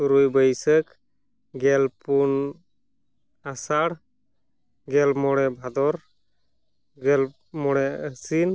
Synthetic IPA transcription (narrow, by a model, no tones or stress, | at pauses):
suɾujbəjsək | ɡɛlpun | asaɽ | ɡɛlmɔɽɛbʱad̪ɔɾ | ɡɛl | mɔɽɛəsin